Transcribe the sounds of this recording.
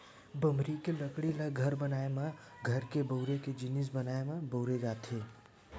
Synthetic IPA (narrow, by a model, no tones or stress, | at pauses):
bəmɾikeləkɽiləɡʱəɾbənaemã | ɡʱəɾkebəʊɾeked͡ʒɪnɪs̬bənaemãbəʊɾed͡ʒat̪ʰe